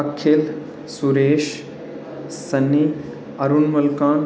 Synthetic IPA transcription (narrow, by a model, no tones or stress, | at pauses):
ɐkʰːel | suɾeːʃ | sɐnːi | ɐɾunmɐlkaːn